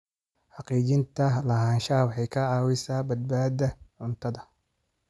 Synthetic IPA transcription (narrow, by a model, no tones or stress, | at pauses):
ħɑqiːt͡ʃɪnt̪ʰɐlɐɦaːnʃɐwħɑjkʰɐʕɑːwɪsaːbɐd̪̚baːd̪ɐʕʊnt̪ʰɐðɐ